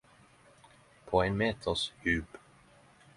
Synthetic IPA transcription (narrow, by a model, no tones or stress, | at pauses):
pʰoenmeːt̪ʰəshʉːp